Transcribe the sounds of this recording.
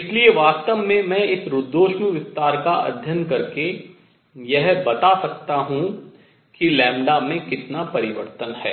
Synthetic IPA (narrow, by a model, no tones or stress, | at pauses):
ɪslieʋaːst̪əʋːẽmɛ̃ɪsɾʊd̪ːoːʃmuʋɪst̪aːɾkaʔɐ̰d̪ʱjənkɐɾke | jɛɦbɐt̪asɐk̚t̪aɦũ | kilɛ̃ːmɖamẽkɪt̪napɐɾɪʋəɾt̪ənɦɛ̰ː